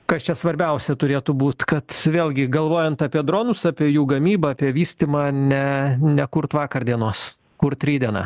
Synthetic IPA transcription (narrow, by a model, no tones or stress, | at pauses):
kɐst͡ʃʲɛsʋɐɾʲbʲɛʊsʲɛt̪ʊɾʲeːt̪ʊbuːt̪kɐt̪ʋʲeːlʲɡʲɪɡɐlˠʋoːjɛnt̪ɑːpʲiɛd̪ɾoːnʊsɑːpʲiɛjuːɡɐmʲiːbɐɐːpʲiɛʋʲiːsʲt̪ʲimɑːnʲɛnʲɛkʊɾt̪ʋɑːkɐɾd̪ʲiɛnoːs | kʊrt̪t̪ʲɾʲiːd̪ʲiɛnɑ̰ː